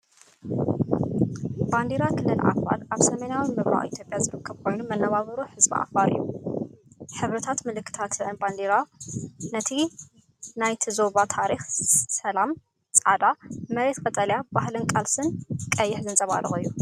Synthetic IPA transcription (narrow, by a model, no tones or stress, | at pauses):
band̪eɾakʰɨlːɨlʔa̰fa̰lʔaβsɐmɐnawimɨβɾa̰wḭt̪ʰjo̞pʼjazɨɾɨkʰːɐβkʰo̞jnumɐnːɐβaβɐɾuħɨzbḭʔa̰faɾɨ̰jːṵ | ħɨβɾɨt̪ʰat̪mɨlɨkːɨ̥t̪ʰat̪lɨɨnband̪eɾanɐt̪ʰi | najt̪ʰizo̞βat̪ʰaɾixsɐlam | t͡sʼad̪amɐɾe̞t̪kʼɐt̪ʼɐljabahlɨnkʼalsɨnkʼɐjːɪħzɨnt͡sʼɐβa̰ɾɨ̰ɣʼɨjːu